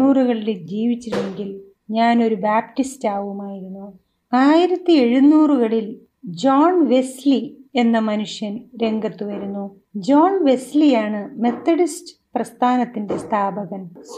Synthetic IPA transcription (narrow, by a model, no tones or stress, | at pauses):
uːruɣɐɭiled͡ʑiːʋit͡ɕːiɾuneŋɡil | ɲaːno̞ɾubaːp̚tistaːʋumaːjiɾunːu | aːjiɾɐt̪ːie̞ɻunːuːruɣɐɭil | d͡ʑoːɳʋe̞slie̞nːɐmɐnuʂjɐnɾe̞ŋɡɐt̪ːuʋɐɾunːu | d͡ʑoːnʋe̞slijaːɳɨme̞t̪ːɐɽistɨ̥ | prɐst̪ʰaːnɐt̪ːinde̞st̪ʰaːbɐɣɐns